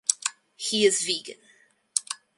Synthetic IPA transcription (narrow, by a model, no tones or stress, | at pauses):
hiɪzviːɡɨ̰̃n